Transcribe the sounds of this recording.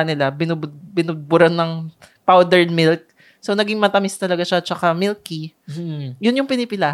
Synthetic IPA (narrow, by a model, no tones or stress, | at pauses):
nɪlabɪnʊbʊd̪̚bɪnʊd̪̚bʊɾɐnːɐŋ | pawd̪ɛɹnmɪlk̚ | sownɐɡɪŋmɐt̪ɐmɪst̪ɐlɐɡaʃaɐt̪̚t͡ʃɐkamɪlki | jʊnjʊŋpɪnɪpɪlaː